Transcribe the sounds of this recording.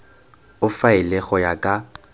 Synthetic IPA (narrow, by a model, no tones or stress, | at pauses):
ʊfaɪlɛɣɔjakʼa